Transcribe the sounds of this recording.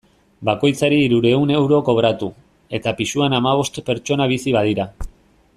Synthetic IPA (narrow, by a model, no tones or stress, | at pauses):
bako̞jt͡saɾiːɾuɾe̞une̞wɾo̞ko̞βɾat̪u | e̞t̪apisuanamaβ̞o̞st̪pe̞ɾt͡ʃo̞naβ̞isiβað̞iɾa